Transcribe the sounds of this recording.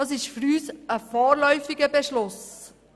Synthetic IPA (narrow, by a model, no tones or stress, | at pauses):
ɑsɪʃfyɾyːsəfɔːɾlœʏfɪɡəbɛʃlʊs